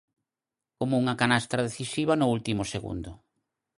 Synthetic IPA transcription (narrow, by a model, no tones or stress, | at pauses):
komʊuŋakanast̪ɾaðeθisiβ̞anʊult̪imʊseɣṵnd̪ʊ